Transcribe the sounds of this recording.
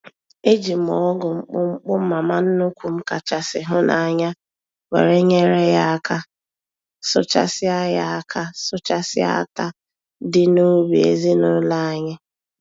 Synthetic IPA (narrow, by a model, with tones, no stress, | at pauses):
e˦d͡ʒi˨m̩˨ɔ˨˦ɡʊ˨ŋ͡m̩˦k͡pʊ˦ŋ͡m̩˦k͡pʊ˦m̩˦ma˨ma˦n̩˦nʊ˦kʷu˨m̩˦ka˨t͡ʃa˨sɪ˨ɦʊ˦nʔa̰˨ɲa˦ | wḛ˨ɾe˦ɲe˦ɾe˦ja˦˨kʰa˦ | sʊ̰˦t͡ʃa̰˦sɪ˦a˦ja˦a˨kʰa˦sʊ˦t͡ʃa˦sɪ˦a̰˦˨ta˦ | dɪ˦nu˦bi˨ḛ˨zi˦nʊ˦la˦a˦ɲɪ˦